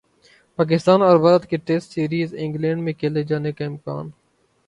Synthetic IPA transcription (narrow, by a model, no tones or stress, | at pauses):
paːk̬ɪst̪aːnɔːɾʋɐɾəd̪keʈeːsʈsiːɾiːzɪ̃ŋɡlɛ̃ːɳɖmẽkʰeːled͡ʒaːnekaɪmka̰ːn